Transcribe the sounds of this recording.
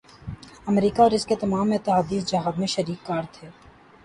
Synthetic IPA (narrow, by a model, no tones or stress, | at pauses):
ɐmɾiːkaɔːɾɪsket̪ɐmaːmɪt̪ːɪɦaːd̪iːsd͡ʒɐɦaːbmẽʃɐɾiːkːaːɾt̪ʰeː